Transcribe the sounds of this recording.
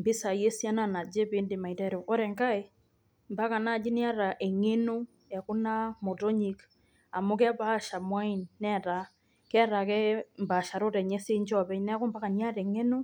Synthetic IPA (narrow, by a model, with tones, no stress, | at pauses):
mbɪ˦sa˨je˦sja˦na˦˨na˨d͡ʒe˦be˦ndi˨ma˨i˨tɛ˦ɾo˨ɔ˦ɾɛ˨ŋka˦e˦ | mba˦ka˨na˦˨d͡ʒi˦ni˦a˦ɾa˨ʔe˨ŋe˦no˦ | ɛ˨kʊ˦na˦mo˨to˦ɲi˨k | a˨mʊ˦kɛ˦ba˦ʃa˨mwa˦i˦nːɛ˦˨ta˨ | kɛ˦ɾa˨kɛ˦mba˨ʃa˨ɾo˦ɾɛ˨ɲɛ˦se˦nd͡ʒɔ˦bɛ˦ɲnɛ˦kʊ˦mba˦ka˨ni˦a˦ɾɛ˨ŋe˦no˦